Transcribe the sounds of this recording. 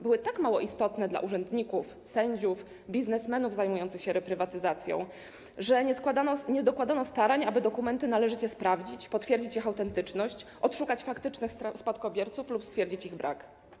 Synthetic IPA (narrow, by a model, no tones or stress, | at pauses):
bɘwɘt̪akmawɔʔist̪ɔt̪nɛd̪la̰ʔuʐɛnd̪ɲikuf | sɛɲd͡ʑuf | bʲiznɛsmɛnuvzajmujɔnt̪sɘxɕɛɾɛpɾɘvat̪ɘzat̪sʲjɔ̰̃w̃ | ʐɛɲɛkwad̪aɔɲɛd̪ɔkwad̪anɔst̪aɾaɲabɘd̪ɔkumɛnt̪ɘnalɛʐɘt͡ɕɛspɾavd͡ʑit͡ɕpɔt̪fʲjɛɾd͡ʑit͡ɕjixawt̪ɛnt̪ɘt͡ʂnɔɕt͡ɕʔɔt̪ʂukat͡ɕfakt̪ɘt͡ʂnɘxsspat̪kɔbʲjɛɾt̪suflupst̪fʲɛɾd͡ʑit͡ɕiɣbɾʔa̰k